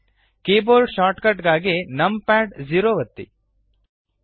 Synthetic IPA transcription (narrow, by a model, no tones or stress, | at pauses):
keːboːlɖʃaːʈkɐʈɡaːɡenɐmpaːɖd͡ʒiːɾoːʋɐt̪ːḭ